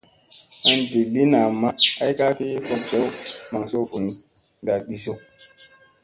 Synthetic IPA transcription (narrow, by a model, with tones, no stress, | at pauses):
a˨˦ndi˨lːi˦na˨ma˦a˦jka˦ki˦fo˦kt͡ʃe˦wma˨ŋso˦ku˨n˦ | ba˨ɗi˦so˦